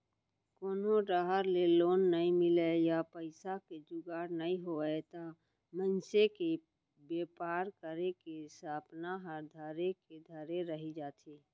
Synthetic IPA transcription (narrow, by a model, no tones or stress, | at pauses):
koːnoɖaːɦəɾleloːnːəĩmɪlejapəɪsaked͡ʒʊɡaːɾnəĩɦoɛt̪a | mənseke | beːpaːɾkəɾekesaːpnaɦəɾd̪ʱaːɾeked̪ʱaːɾeɾəɦid͡ʒaːt̪ʰiː